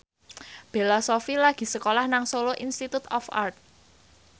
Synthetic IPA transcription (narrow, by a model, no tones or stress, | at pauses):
b̥e̤lasofilaɡ̥i̤səkolahnaŋsoloʔinst̪it̪ut̪ɔfa̰rt̪̚